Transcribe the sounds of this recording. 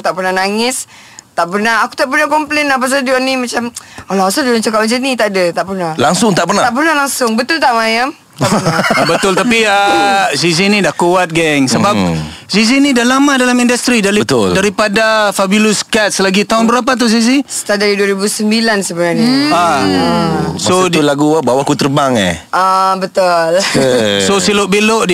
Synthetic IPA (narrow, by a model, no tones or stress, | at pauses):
t̪aʔpərnahnaŋɪs | t̪aʔpərnaaku̥t̪aʔpərnakɔmplɛnap̬as̬aduanimat͡ʃamalasadulaŋt͡ʃakap̚mat͡ʃanit̪aʔdat̪aʔpərnahlaŋsʊŋt̪aʔpərnat̪aʔp̬ərnalaŋsʊŋbət̪ʊlt̪aʔmajam | aənabət̪ʊlt̪apiəsizinĩdahkuat̪̚ɡɛŋsəbap̚zizinĩdahlamãdalamindəst̪ɾidaɾit̪ʊldaɾipadafabuluskat̪̚slaɡit̪aɦʊnbəɾap̬at̪̬uzizist̪adaɾiduəɾibusəmbilansəbənarnia | sodlaɡuəbawakut̪ərbaŋḛhabət̪ʊlsosilʊʔbelʊʔdi